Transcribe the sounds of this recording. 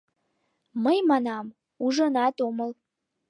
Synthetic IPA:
məjmɑnɑm | uʒənɑt̪oməl

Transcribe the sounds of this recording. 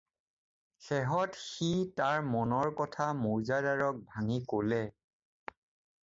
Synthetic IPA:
xɛɦɔtxitaɹmɔnɔɹkɔtʰamuɹzadaɹɔk̚bʱaŋikolɛ

